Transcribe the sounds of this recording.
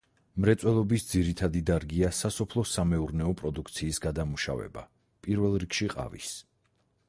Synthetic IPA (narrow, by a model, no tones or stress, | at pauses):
mɾɛt̪sʼwɛlˠɔbisd̪ziɾit̪ʰad̪id̪aɾɡiasasɔpʰlˠɔsamɛuɾnɛɔpʼɾɔd̪ukʰt̪sʰiːsɡad̪amuʃa̰vɛ̰ba | pʼiɾvɛlˠɾikʃiqʼa̰vḭs